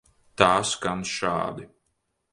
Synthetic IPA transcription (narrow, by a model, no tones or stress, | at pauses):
t̪aːskanʃa̰ːd̪i